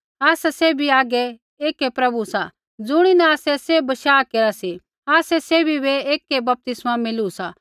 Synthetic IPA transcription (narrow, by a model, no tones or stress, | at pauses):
aːsasebʱiaːɡɛ | eːkepɾɐbusa | d͡zʊɽ̃inɛ̃aːsɛsebɐʃaːkeːɾasi | aːsɛseːbʱibeeːkebɐp̚t̪ɪsmamɪlusa